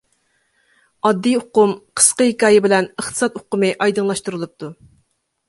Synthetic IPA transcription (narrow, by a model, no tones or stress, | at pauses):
ɑd̪ːijoqʊmqʰə̥sqəhɪkʲɑːjɪbɪlɛnəχt̪ʰə̥sɑt̪oqʊmɨʔɑjd̪ɨŋlˠɑʃt̪uɾɨlˠɨp̚t̪ʰu